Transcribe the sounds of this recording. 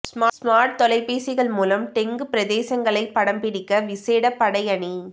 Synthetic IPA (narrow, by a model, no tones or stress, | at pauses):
smːsmaːɾʈ̚t̪ɔlɐɪpːeːsɪɣɐɭmuːlɐmt̪ɛŋɡɯpɪɾɐðeːsɐŋɡɐɭɐɪpːɐɽɐmbɪɽɪkːɐʋɪseːɽɐpːɐɽɐjɐɳi